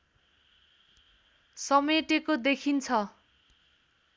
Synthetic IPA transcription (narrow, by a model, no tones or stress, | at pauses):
sʌmeʈekod̪ekʰint͡sʰʌ